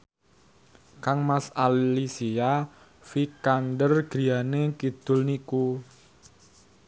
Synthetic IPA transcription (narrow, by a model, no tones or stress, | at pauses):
kaŋmasallisia | fikandərɡ̥i̤anekid̪̥ʊ̤lniku